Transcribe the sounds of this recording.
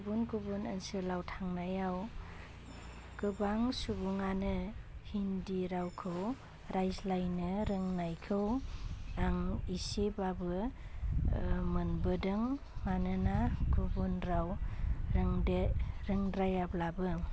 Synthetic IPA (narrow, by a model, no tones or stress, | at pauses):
kbunkubunansɯlawtʰaŋnajaw | kɯbaŋsubuŋanɯhindiɾawkʰɯw | ɾajslajnɯɾɯŋnajkʰɯw | aŋisebabɯ | mɯnbɯdɯŋː | anɯnakʰubunɾawɾɯŋdeɾɯŋɾajablabɯ